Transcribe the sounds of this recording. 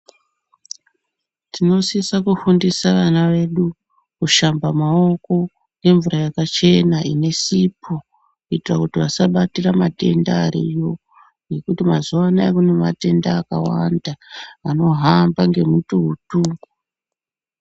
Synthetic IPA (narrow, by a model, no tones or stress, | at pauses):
tino̞sisakufundisaʋanaʋe̞ɗu | kuʃambamao̞ko̞ | ŋɡe̞ɱvurajakat͡ʃe̞naine̞sipʰo | kuitirakutiʋasaɓatiramate̞̰ndaːɾijo̞ | je̞kutimazuʋanaekunema̰te̞ndaːkawandaːno̞ɦambaŋɡe̞mutuɦutuːŋɡu